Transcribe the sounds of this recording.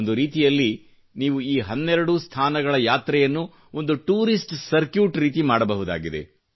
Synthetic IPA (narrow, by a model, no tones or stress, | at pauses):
nd̪uɾiːt̪ijɐlːi | niːʋuiːɦɐnːɛɾɐɽust̪ʰaːnɐɡɐɭɐjaːt̪ɾɛjɐnːu | o̞nd̪uʈuːɾisʈsɐɾkjuːʈɾiːt̪imaːɽɐbɐɦud̪a̰ːɡid̪e̞̰